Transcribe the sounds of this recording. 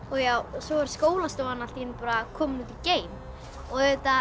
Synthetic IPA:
ɔɣjaːwsɔvaɾ̥skoːwlast̪owanal̥t̪iɪnpaːɾakʰɔːmnut̪iceːjm | ɔɣet̪a

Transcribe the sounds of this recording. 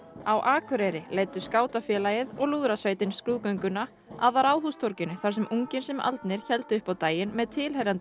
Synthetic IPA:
awʔaːkʰʏɾɛɾɪleːjt̪ʏskaːwt̪afjɛlajɪðɔɣluːðɾasvejt̪ɪnskɾuːðkœɥjŋkʏnːa | a̰ðaɾaːwðɦust̪ʰɔɾcɪnʏθaɾ̥sɛmʔuŋcɪnsɛma̰lt̪nɪɾ̥çɛlt̪ɪʏhpawt̪aːjɪnmɛðt̪ʰɪlhejɾant̪ɪ

